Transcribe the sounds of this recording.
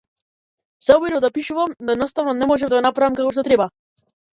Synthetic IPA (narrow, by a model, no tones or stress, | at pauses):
z̥aɔbiɾɔd̪apiʃuvamnɔɛd̪nɔst̪avnɔnɛmɔʒɛmd̪aɡɔnapɾavɛmkakɔʃt̪ɔt̪ɾɛba